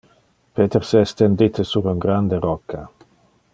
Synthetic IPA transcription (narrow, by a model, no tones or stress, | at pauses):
pet̪eɾseest̪end̪it̪esuɾuŋɡɾand̪eɾɔkːa